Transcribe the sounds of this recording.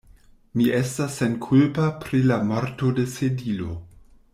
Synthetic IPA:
miʔestasːenkʰulpapɾilamoɾto̞de̞sedilo̞̰

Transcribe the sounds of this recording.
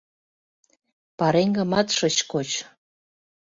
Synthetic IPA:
pɑɾeŋɡə̆mɑt̪ʃɤ̆t͡ɕkot͡ɕ

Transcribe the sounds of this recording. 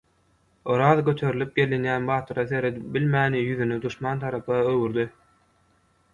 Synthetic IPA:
oɾɑːðɡøt̪ʰø̞ɾilʲip̚ɡe̞linjæːnbɑːt̪ʰɯɾɑθe̞ɾed̪ip̚bilmæːnijyðyned̪uʃmɑːnt̪ʰɑɾɑpʰɯɑøwyɾd̪i

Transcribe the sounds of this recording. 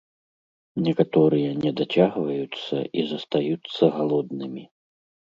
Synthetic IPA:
nʲɛkat̪ɔɾɨjɐnʲɛd̪at͡sʲaɣvɐjut̪sːɐ̰ʔizɐst̪ajut̪sːɐɣalˠɔd̪nɨmʲi

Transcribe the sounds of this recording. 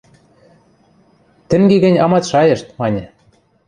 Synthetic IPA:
t̪ɘ̆ŋɡeɡɘ̆nʲɑmɑt̪ʃɑjɤ̆ʃt̪mɑnʲĕ

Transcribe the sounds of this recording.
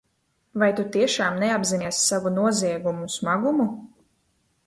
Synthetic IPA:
vajt̪ut̪iɛʃaːmnɛabziniɛsːavunuɔziɛɡumusmaɡumu

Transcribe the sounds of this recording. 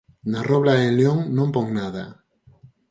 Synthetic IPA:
naroβlaeljoŋnõmpoŋnaða̰

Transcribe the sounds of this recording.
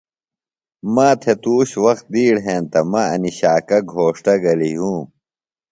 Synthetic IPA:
maːt̪ʰet̪uːɕwɐxt̪̚d̪iːɽɦẽːnt̪ɐmɐɐ̰niɕaːkɐɡʱoːʂʈɐɡɐliɦũː

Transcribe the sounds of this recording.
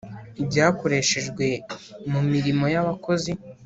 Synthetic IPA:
ibɟaːko̞ɾe̞ʃe̞ʒɡwe̞mumiɾimo̞jaβako̞zi

